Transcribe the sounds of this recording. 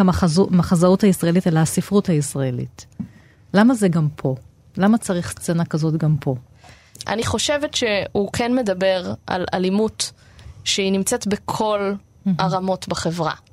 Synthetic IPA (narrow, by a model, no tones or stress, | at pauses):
amaazumaχazauthaisʁaelitelaasifʁuthaisʁaelḭt | lamazeɡampʰo̞ | lamat͡saʁiχst͡senakazo̞tɡampʰo̞ | ʔa̰niχo̞ʃevetʃehukʰenme̞dabe̞ʁa̰la̰limut | ʃeinimt͡setbekʰo̞l | aʁamo̞tbaχe̞vʁa̰